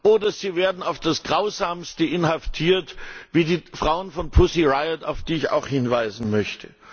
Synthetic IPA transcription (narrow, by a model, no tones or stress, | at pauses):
ʔoːdɐziːveːɐdn̩aʊfd̥asɡ̥ʁaʊzaːmstəʔɪnhaftʰiːɐtviːdiːfʁ̥aʊənfɔnpʰʊsiʁaɪətaʊfd̥iːɪça̰ʊxhɪnvaɪzn̩mœçtʰə